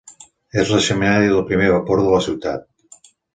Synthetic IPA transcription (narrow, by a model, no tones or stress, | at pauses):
ezlesemenaɾjoðelˠpɾimeɾβapoɾðolasiwt̪a̰t̪̚